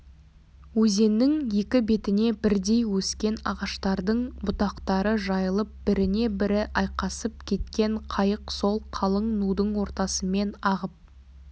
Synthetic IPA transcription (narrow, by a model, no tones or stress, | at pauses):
wɵze̞nːɪŋje̞kʲɪbe̞t̪ɪne̞bɪɾd̪e̞jwɵskʲe̞nɑ̰ʁɑʃt̪ɑɾd̪əɴbʊt̪ɑqt̪ɑɾəʒɑjəlˠəp̚b̥ɪɾɪne̞bɪɾɪʔɑjqɑsəp̚kʲʰe̞t̪kʲe̞ɴqʰɑjəqso̞lˠqʰɑlˠəɴnud̪əɴwo̞ɾt̪ɑsəme̞nɑʁəp̚